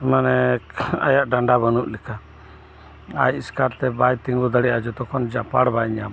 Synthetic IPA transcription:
manɛa̰jaʔɖaɳɖabənuʔlɛkʰa | ajiskaɾt̪ɛbajt̪iŋɡud̪əɽiʔad͡ʒɔt̪ɔkʰɔnd͡ʒapaɽbajɲa

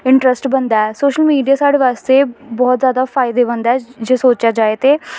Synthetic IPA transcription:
ɪ̃ɳʈɾəsʈbɐ̃nd̪aɛsoːʃəlmiːɖijasaːɽeʋaːst̪ebɔːt̪zjaːd̪afaːɪd̪ebɐnd̪aɛd͡ʒeːsoːt͡ʃjad͡ʒaːet̪eː

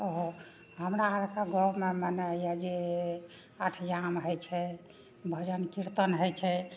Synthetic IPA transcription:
ɦo | ɦəmɾaːɾkaɡɔmemənejad͡ʒe | aʈʰd͡ʒamɦəjt͡ʃʰɛ | bʱəd͡ʒənkiɾt̪ənɦəjt͡ʃʰɛ

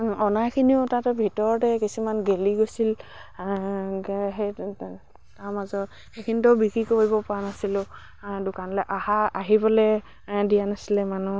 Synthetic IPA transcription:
ɔnajkʰiniʊtatɛbʱitɔɹɔtɛkisumanɡeliɡojsil | ɦe | taɹmazɔt | xekʰinitɔbikɹikoɦibɔpɔanasilʊ̃ | dʊkanlɔjʔahaaɦibɔlɛ | dijanasilɛmanu

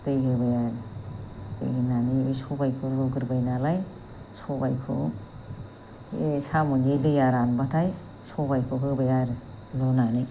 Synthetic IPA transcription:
t̪ejɦɯbajaɾ | tḛjɦinaniejsɔbajkʰoɾoɡɯɾbajnalaj | sɔbajkʰo̰ | esʰamund͡ʒedɯjaɾanbatʰaj | sɔbajkʰoɦɯbajaɾ | lɔnani

